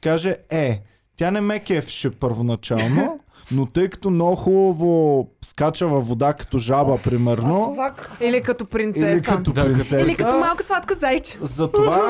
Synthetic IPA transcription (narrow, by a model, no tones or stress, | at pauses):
kaʒɛɛ | t̪ʲjanɛmɛkʲɛfi̥ʃɛpəɾvonɐt͡ʃalˠno | not̪ɤjkɐ̥t̪onɔxubɐvoskat͡ʃəvɐvod̪akɐ̥t̪oʒabəpɾimɛɾnoakilikɐt̪opɾint̪iɛlik̪ɐtt̪opɾint̪sɛsɐət̪omalˠkʊ̥svˠat̪kʊzajt͡ʃɛ̥zɐt̪ova